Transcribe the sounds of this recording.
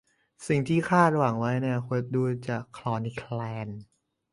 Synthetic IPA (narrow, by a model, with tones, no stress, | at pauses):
si˨˩ŋt̪ʰiː˥˩kʰaː˥˩t̪̚ɾa˧wa˨˩˦ŋwa˦˥jni˥˩ɐkʰu˧˥t̪̚duː˧t͡ɕa˨˩kʰːlɔː˧ni˦˥kʰlɛː˧n